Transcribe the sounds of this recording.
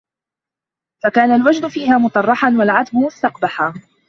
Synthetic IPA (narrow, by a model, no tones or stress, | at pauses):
fakaːnalwad͡ʒd̪ʊfiːɦaːmʊt̪ˤɑrˤːɑħanwalʕat̪bʊmʊst̪ɑqbaħa